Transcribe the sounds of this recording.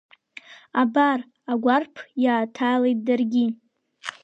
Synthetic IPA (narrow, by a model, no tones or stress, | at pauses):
abar | aɡʷarpʰjaːtʰaːlejt̚darɡʲi